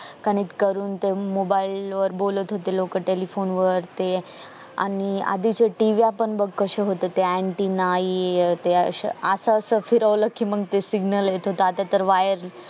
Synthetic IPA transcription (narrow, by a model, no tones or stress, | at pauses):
kənek̚ʈkəɾuːnt̪emobailʋəɾbolət̪ɦot̪elokəʈelifonʋəɾt̪e | a̰nia̰d̪it͡ɕeʈiʋiapəɳbəɡkəɕeɦot̪et̪eeɳʈinait̪eə̰ɕəsəːsəfiɾəʋləkːiməɡt̪esiɡnəljet̪ɦot̪əat̪at̪əɾʋajəɾ